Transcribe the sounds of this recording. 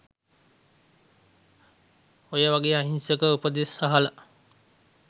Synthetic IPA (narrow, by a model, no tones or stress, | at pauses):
ojəʋaɡeːaɦinsəkəupəd̪esaɦələ